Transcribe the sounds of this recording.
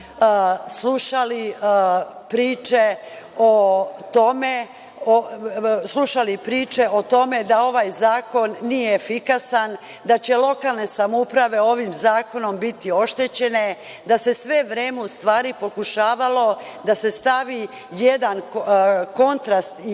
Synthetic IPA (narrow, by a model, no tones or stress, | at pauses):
sluʃali | pɾiːt͡ʃe | ot̪o̞me | oslˠuʃalipɾiːt͡ʃe̞ʔo̞t̪o̞me̞d̪ao̞ʋajzaːko̞nːijeːfikasan | d̪at͡ɕe̞lo̞kalˠne̞samoupɾaʋe̞o̞ʋimzaːko̞no̞mbit̪io̞ʃt̪e̞t͡ɕe̞ne̞ | d̪ase̞sʋe̞ʋɾe̞ːmeust̪ʋaːɾipo̞kuʃaːʋalo̞d̪ase̞st̪aʋi | jed̪an | ko̞nt̪ɾast̪i